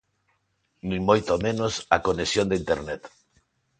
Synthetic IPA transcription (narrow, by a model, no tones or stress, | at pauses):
nũŋmojt̪omẽnosakonesjõnd̪eint̪eɾnet̪